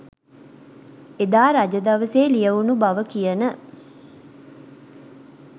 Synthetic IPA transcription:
ed̪aːɾad͡ʒəd̪ɐʋəseːlijəʋunubaʋəkijənə

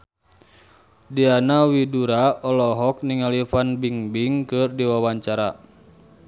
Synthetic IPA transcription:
dianawiduɾaɔlɔɦɔk̚niŋalifanbiŋbiŋkɨrdiwawaɲt͡ʃaɾa

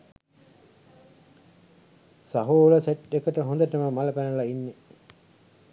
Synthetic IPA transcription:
saɦuːuləseʈekəʈəɦõnd̪əʈəməmaləpænəlainːe

